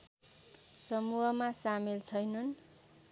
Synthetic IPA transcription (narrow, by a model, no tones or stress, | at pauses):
sʌmuɦʌmasamilt͡sʰʌjnʌn